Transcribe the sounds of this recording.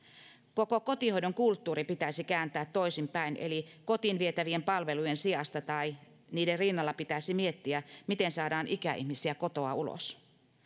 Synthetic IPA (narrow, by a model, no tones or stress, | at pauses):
ko̞ko̞ko̞t̪iho̞jdoŋkult̪ːuːɾipit̪æisikæːnt̪æːt̪ːo̞isimpæinʔe̞̰liko̞t̪inʋie̞t̪æʋiempɑlʋe̞lujensiɑst̪ɑt̪ɑi | niːderrinːɑlːɑpit̪æsimie̞t̪ːiæmit̪ensɑːdɑːnʔikæʔḭhmisiæko̞t̪o̞ɑ̰ulo̰s